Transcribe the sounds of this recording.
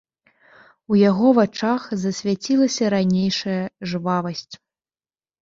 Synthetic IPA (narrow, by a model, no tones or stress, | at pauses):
ujaɣɔvat͡ʂaxzɐsʲvʲat͡sʲilˠɐsʲɐɾanʲejʂɐjɐʐɨvavɐsʲt͡sʲ